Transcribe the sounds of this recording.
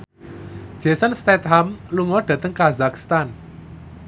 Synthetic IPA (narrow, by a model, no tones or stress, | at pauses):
ʒ̥a̤sanst̪ɛt̪̚ɦamluŋɔɖ̥ä̤t̪əŋkazakst̪an